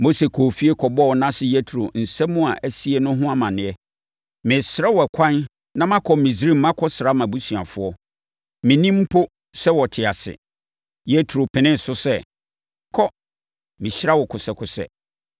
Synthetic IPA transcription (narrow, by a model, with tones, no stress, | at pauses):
mo˦se˨kʰoː˨fi˦e˦kʰɔ˨bɔ˦wnã˦sɪ˦jɛ˦tʰɾo˨n̩˨sɛ˦mʊ̃˦a˨ʔæ˦si˦e˦nʊ̃˦ɦʊ̃˦a˦mã˨nɪ̃˨ɛ˦ | mɪ̃˨sɪ˨ɾa˦wɔ˨kʷʰã˦n | nã˦mã˦kʰɔ˨mĩ˨sɾĩ˦m̩˦mã˦kʰɔ˦sɾa˦mã˨bu˦su˨a˨fʊ˨˦ɔ˦ | mɪ̃˨nĩ˦m̩˦pʰo˦ | sɛ˦wɔ˨tʰɪ˨a˨sɪ̰˨ | jɛ˦tʰɾo˨pʰɪ̃˨nɪ̃˦n̩˨sʊ˦sɛ˦˨ | kʰɔ˦ | mĩ˨ɕɾa˦wɔ˨kʰʊ˨sɛ˨kʰʊ˨sɛ̰˨